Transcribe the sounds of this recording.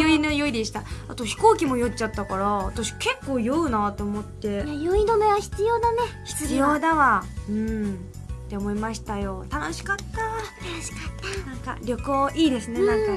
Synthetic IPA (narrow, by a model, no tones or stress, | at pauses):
oinojoid̪e̞ɕi̥t̪aat̪o̞çi̥ko̞ːkʲimo̞jot͡ɕːat̪ːakaɾaːt̪aɕi̥ke̞kːo̞ːjɯːnat̪o̞ːmo̞t̪ːe̞joid̪omeβaçi̥t͡sɨjo̞ːd̪ane̞çi̥t͡sɨɨjoːd̪aβaɯ̟̃ | t̪ːe̞omo̞imaɕi̥t̪ajo̞t̪ano̞ɕi̥kat̪ːat̪anoɕi̥kat̪ːanãŋka̰ɾʲo̞kooːʔiːd̪e̞sɨnenãŋka